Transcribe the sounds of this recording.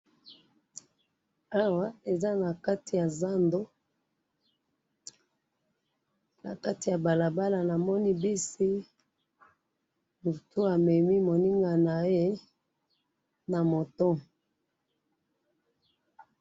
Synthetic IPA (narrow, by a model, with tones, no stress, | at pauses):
a˦wa˦e˨za˦na˨ka˦ti˨ja˨za˦ndo˦ | na̰˨ka˦ti˨ja˨ba˨la˨ba˦la˨na˨mɔ˦ni˦bi˦si˦ | nu˨tu˦a˨mɛ˨mi˦mo˨ni˦ŋɡa˨na˨e˦e˦ | na˨mo˨to˦